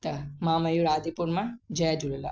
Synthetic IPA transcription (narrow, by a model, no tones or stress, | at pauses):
t̪ɐmãːmɐjuɾaːd̪ʱipuɾmãd͡ʒɐjad͡ʒuɽela̰